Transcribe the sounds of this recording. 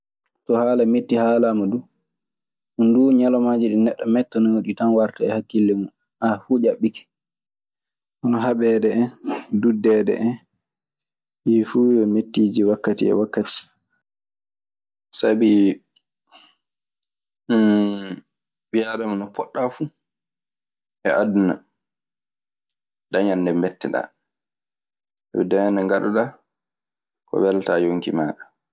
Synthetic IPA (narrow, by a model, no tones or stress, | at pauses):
tɔhaːlametːihaːlamadu | ʔunduɲalɔmad͡ʒiɗinɛɗːɔmɛtːɔnɔoɗitanwaɾtaɛhakːilːɛmu | ʔafuːd͡ʒaɓːikɛ̥ | ʔɔnɔɦaɓɛdɛɛndudːɛdɛ̰ʔɛn | ɓifuːjɛmetːiːd͡ʒiwakːatḭɛ̰wakːati̥ | sabi | ɓijaɗamanɔpɔɗːafu | ʔɛ̰ʔaduna | ɗaɲanːdɛmbɛtːɛɗa̰ | ɛdɛanɛŋɡaɗɔɗa | kɔ̰wɛltajoŋkḭmaːɗa